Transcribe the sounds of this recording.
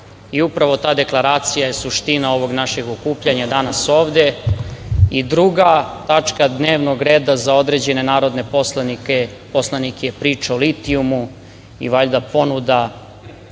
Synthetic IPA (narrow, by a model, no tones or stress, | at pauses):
iupɾaʋo̞t̪aːd̪e̞klˠaɾaːt̪sijajesuʃt̪inao̞ʋo̞ɡnaʃe̞ɡokuːpʎaɲad̪anaso̞ːʋd̪e̞ | id̪ɾuɡat̪at͡ʂkad̪neːʋno̞ɡɾeːd̪azao̞d̪ɾe̞d͡ʑe̞ne̞naːɾo̞d̪ne̞poslnike | po̞slˠanikjepɾiːt͡ʃaolit̪iumu | ḭʋaʎd̪apo̞nud̪a